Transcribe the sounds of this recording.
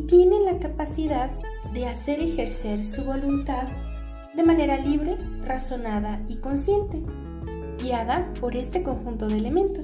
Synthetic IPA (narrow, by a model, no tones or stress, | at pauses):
t̪je̞ne̞nlakapasiðað | ðe̞ase̞ɾe̞xe̞ɾse̞ɾsuβo̞lunt̪að | d̪e̞mane̞ɾaliβɾe̞ | raso̞naðaiko̞nsje̞nt̪e̞ | ɡjaðapo̞ɾe̞st̪e̞ko̞ŋxunt̪o̞ðeːle̞mẽ̞nt̪o̞s